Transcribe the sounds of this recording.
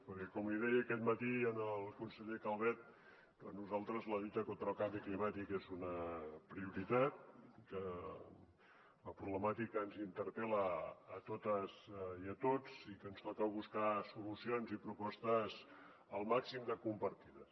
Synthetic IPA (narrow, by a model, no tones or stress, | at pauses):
pəɾkɛkɔmliðɛjəːkɛt̪mət̪iənəlˠkunsəʎekalˠβɛt̪̚ | d̪ɔnːuzalˠt̪ɾəzləʎut̪əkont̪ɾəlˠkambiklimat̪ikezunəpɾiuɾit̪at̪kə | ləpɾuβləmat̪ikəːnzint̪əɾpɛləːt̪ot̪əziət̪od͡zikənstok̪ɛwβuskasulusionzipɾupɔst̪əz | əlˠmaksimd̪əkumpəɾt̪iðə